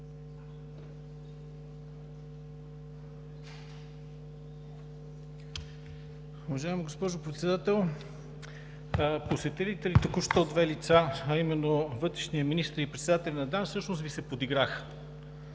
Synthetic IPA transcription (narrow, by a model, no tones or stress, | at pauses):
uvɐʒaimiɡospɔʒopɾɛt̪sɛd̪at̪ɛlˠ | posɛt̪ɛlit̪ɛlit̪okuʃt̪ood̪vɛlit̪saɐimɛnːovɤt̪ɾɛʃnijəminist̪əɾipɾɛt̪sɛd̪at̪ɛlʲnɐd̪ansɤʃnosvisɛpod̪iɡɾax